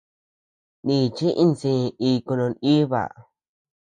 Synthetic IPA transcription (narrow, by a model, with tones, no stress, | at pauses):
nĩ˧˨t͡ʃĩ˦ʔi˧˦nsĩ˧i˧ku˧nõ˧ni˦βa̰˨